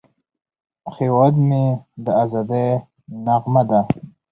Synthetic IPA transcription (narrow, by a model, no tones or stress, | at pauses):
xewad̪med̪əazad̪a | naɣmad̪a